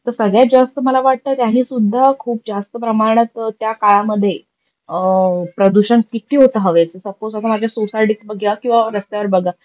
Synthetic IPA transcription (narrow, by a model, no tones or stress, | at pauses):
t̪əɾsəɡɭjad͡zast̪əməlaʋaʈ̚t̪əːt̪jaɦiːsud̪ʱːakʰuːp̚d͡zast̪əpɾəmaɾɽ̃ət̪t̪jakaɭaməd̪ʱːje | pɾəd̪uɕənkit̪iːɦot̪əɦəʋet͡səsəpoasamad͡ʑʱjasosaʈikbəɡjakĩw̃ʋaɾəst̪aʋəɾbəɡa